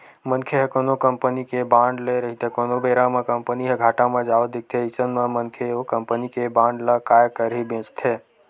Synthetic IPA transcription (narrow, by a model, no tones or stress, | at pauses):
mənkʰeɦekoːnokəmpənikebãːɳɖleɾəɦit̪ekoːnobeːɾãmẽkəmpəniɦeɡʱaːʈãmẽd͡ʒaːʋəd̪ik̚t̪ʰeisənmẽmənkʰeokəmpənikebãːɳɖlakaːjkəɾɦibẽːt͡ʃt̪ʰeː